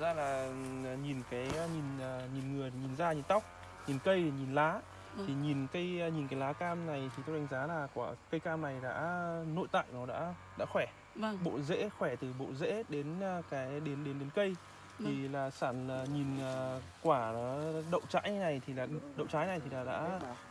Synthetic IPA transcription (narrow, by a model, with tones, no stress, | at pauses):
zaː˧laː˨˩˨ɲi˨˩nkaː˨˦jɲi˨˩nː˨˩ɲi˨˩nŋɨ˨˩əj̪t̪ʰi˨˩ɲi˨˩nzaː˧ɲi˨˩nt̪a˦˥wk͡p̚ | ɲi˨˩nkə˧jɲi˨˩nlaː˨˦ | t̪ʰi˨˩ɲi˨˩nkə˧jɲi˨˩nkaː˨˦laː˨˦kaː˧mna˨˩jt̪ʰi˨˩t̪o˧ɗa˨˦ŋ̟zaː˨˦laː˨˩kwaː˧˩kə˧jkaː˧mna˨˩jɗa̰ː˧˥no̰˧˨jt̪a̰ː˧˨jnɔ˨˦ɗa̰ː˧˥ | ɗa̰ː˧˥xwɛ˧˩ | ɓo̰˧˨zḛ˧˥xwɛ˧˩t̪ɨ˨˩ɓo̰˧˨zḛ˧˥ɗe˨˦nː˨kaː˨˦jɗe˨˦nɗe˨˦nɗe˨˦nkə˧j | t̪ʰi˨˩laː˨˩saː˧˩nlaː˨˩ɲi˨˩nː˨˩kwaː˧˩˨ɗə̰˧˨wŋ͡mt͡ɕa̰ː˧˥jna˨˩jt̪ʰi˨˩laː˨˩ɗə̰˧˨wt͡ɕaː˨˦jna˨˩jt̪ʰi˨˩laː˨˩ɗa̰ː˧˥